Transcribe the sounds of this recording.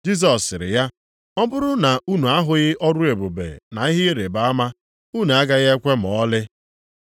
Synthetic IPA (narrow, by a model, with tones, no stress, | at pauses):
d͡ʒi˦s̬ɔ˨sɪ˨ɾɪ̰˨ja˦ | ɔ˦bʊ˦ɾʊ˦na˨u˦nu˨a˦ɦʊ˨ɣɪ˦ʔɔ˦ɾʊ˦e˨bo˨bḛ˨na˨i˦ɦɪ˦ɾe˨ba˨˦a˦ma˦ | u˦nu˨a˦ɡa˦ɣa˦e˦kʷe˦m̩˨ɔ˦lɪ˦